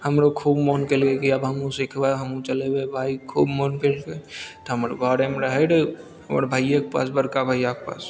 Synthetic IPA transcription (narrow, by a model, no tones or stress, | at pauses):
hɐmɾokʰuːbmoːnkeːlkekiɐbɦɐmũsɪkʰbaːɦɐmũt͡ʃɐlewebʱaːikʰuːbmoːnkelket̪ɦəmɾɡʱaːɽemeɾəɦeɽ | hɐ̰mɾbʱaːjak̚pa̰ːs̬bəɾkabʱaːjakpa̰ːs